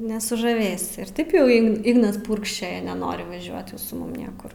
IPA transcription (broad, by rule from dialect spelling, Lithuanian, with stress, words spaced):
nʲɛsʊʒɐˈʋʲeːsʲɪ ɪr ˈtɐɪp jɛʊ ˈɪɡn ˈɪɡnɐs ˈpʊrkʃʲt͡ʃʲoːjɛ nʲɛˈnoːrʲɪ ʋɐˈʒʲuɔt sʊ ˈmʊm ˈnʲiɛkʊr